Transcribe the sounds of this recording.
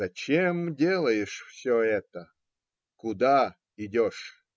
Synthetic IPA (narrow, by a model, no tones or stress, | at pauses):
ɐt͡ɕemdʲelˠəjɪʂfsʲoɛt̪ə | kʊd̪a | ɪdʲoʂ